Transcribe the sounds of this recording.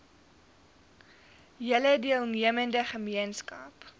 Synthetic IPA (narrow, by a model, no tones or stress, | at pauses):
jələdiəlˠniəməndəχəmiənskɐp